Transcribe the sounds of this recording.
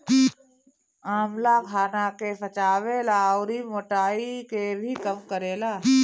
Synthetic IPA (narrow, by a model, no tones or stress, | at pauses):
aːmlakʰaːnakefɐt͡ʃaːʋeːlaɔːɾimoːʈaːikebʱikɐmkəɾeːlaː